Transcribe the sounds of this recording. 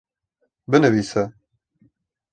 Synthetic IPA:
bɨnɨviːsɛ

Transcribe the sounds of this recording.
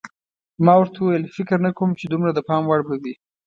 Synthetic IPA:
mɑwaɾt̪awuwajəlfɪkɾnakomt͡ʃed̪umɾad̪əpɑmwaɽbawi

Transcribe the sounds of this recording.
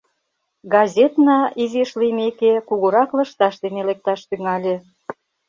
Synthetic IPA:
ɡɑzʲet̪nɑizeʃlimekekuɣoɾɑklə̆ʃt̪ɑʃd̪enelek̚t̪ɑʃt̪yŋɑlʲe

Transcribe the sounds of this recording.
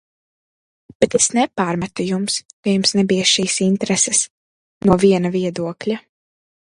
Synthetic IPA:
b̥ɛt̪esnɛpaːɾmat̪ujumskajumsnɛbijaʃiːsint̪ɾɛsɛs | nuɔviɛnaviɛd̪uɔklʲa

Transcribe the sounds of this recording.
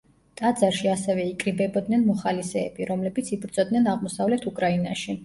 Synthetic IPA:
t̪ʼad̪zaɾʃiasɛvɛikʼɾibɛbɔd̪nɛnmɔχalisɛ̰ːbiɾɔmlɛbit̪sʰibɾd̪zʼɔd̪nɛnaʁmɔsavlɛt̪ʰukʼɾaina̰ʃi

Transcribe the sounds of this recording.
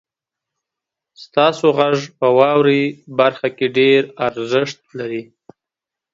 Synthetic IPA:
st̪ɑsoɣaʐpəwɑwɾibaɾxakeɖeɾaɾzɪʂt̪̚laɾi

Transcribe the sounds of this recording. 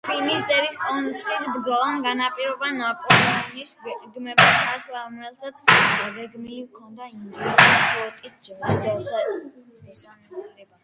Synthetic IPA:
pʰilmisd̪ɛviskʼɔnt̪sʰʼχisbɾd̪zɔlˠanɡanapʼiɾɔbanapʼɔlɛɔnisɡɡmɛbt͡ʃʰaslˠaɔmɛlˠsat̪sʰʼad̪aɡɛɡmiifkʰɔnd̪aiŋɡ̪lɛsipʼɔt̪ʼit̪̚ʰd͡ʒɔɾisd̪ɛsɛ | ɛsamɾɛba

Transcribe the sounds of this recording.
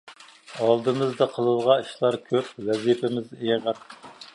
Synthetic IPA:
ɑlˠd̪ɨmɨzd̪ɨqʰəlˠɨlˠʁɑiʃlˠɑɾkʲʰøp̚vɛzipʰɪmɪzejʁɑɾ

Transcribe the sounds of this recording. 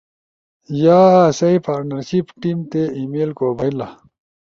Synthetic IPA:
jaːsɐipaːɾnɐɾɕipʈimt̪eimeːlkoːbʱɐila

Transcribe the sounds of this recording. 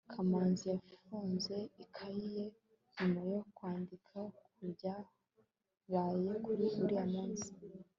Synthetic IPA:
kʰamaːnzijafuːnze̞ikʰaije̞ | ɲimajokwaːndikʰakuɾɟa | ɾajekuuɾiamaːnzi̥

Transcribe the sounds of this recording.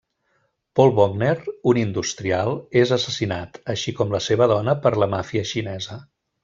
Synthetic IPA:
pɔlˠβɔɡneɾunind̪ust̪ɾialˠezəsəsinat̪əʃikɔmləseβəðɔnəpəɾləmafiəʃinɛzə

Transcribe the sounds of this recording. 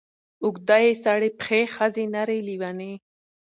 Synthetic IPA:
ʊɡd̪ajesaɽepxexazenaɾeliwane

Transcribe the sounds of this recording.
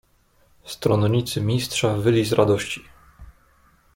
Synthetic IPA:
st̪ɾɔnɲit̪sɘmʲist̪ʂavɘlʲizɾad̪ɔɕt͡ɕi̥

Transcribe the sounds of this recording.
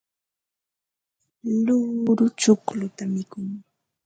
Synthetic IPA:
lʊɾʊt͡ʃʊklʊt̪amɪkʊŋ

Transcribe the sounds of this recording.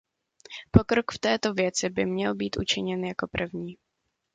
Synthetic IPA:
po̞kɾokft̪ɛːt̪o̞vjɛt͡sɪbɪmɲɛlbiːt̪ʔṵt͡ʃɪɲɛnjako̞pr̩vɲiː

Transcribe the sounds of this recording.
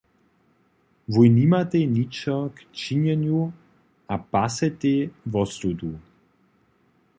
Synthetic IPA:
vujnimat̪ɛnit͡ʃɔkt͡ʃiɲɛnju | apasɛt̪evɔsɾud̪u

